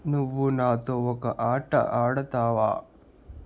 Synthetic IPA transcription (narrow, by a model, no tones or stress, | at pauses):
nuʋːunaːt̪ookɐʔaːʈɐ̰ʔaːɽɐt̪aːʋa̰ː